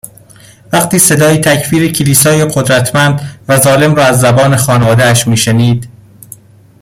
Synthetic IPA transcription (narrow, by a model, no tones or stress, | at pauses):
væqt̪ʰiːse̞d̪ɒːjit̪ʰæcʰfiːɾecʰeliːsɒːjeɢo̞d̪ɾæt̪ʰmænd̪væzɒːle̞mɾɒːæzːæbɒːne̞xɒːnevɒːd̪eæʃmiːʃeniːd̪